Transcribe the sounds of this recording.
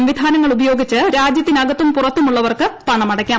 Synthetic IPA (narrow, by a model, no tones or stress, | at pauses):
ɐmʋid̪ʱaːnɐŋːɐɭubɐjo̞ːɡit͡ɕːɨɾaːd͡ʑjɐt̪ːinɐɡɐt̪ːumpurɐt̪ːumuɭːɐʋɐrkɨt̪ɐɳɐmɐɽɐkʲːaː